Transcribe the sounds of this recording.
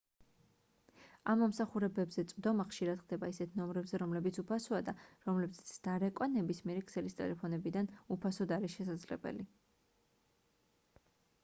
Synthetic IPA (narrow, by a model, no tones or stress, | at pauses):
amːɔmsaχuɾɛbɛbzɛt̪sʼvd̪ɔmaχʃiɾad̪χd̪ɛbaisɛt̪ʰnɔmɾɛbzɛɾɔmlɛbit̪sʰupʰasɔad̪aɾɔmlɛbzɛt̪sʰd̪̥aɾɛkʼwanɛbismiɛɾikʰsɛlist̪ʼɛ̰lɛpʰɔnɛbid̪anupʰasɔd̪aɾisʃɛs̬ad̪zlɛbɛ̰li